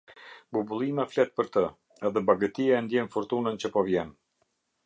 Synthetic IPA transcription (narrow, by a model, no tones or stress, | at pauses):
bubulˠimaflɛt̪̚pəɾt̪ə | ɛðɛbaɡət̪iaɛnd̪jɛnfɔɾt̪unənt͡ɕəpɔvjɛn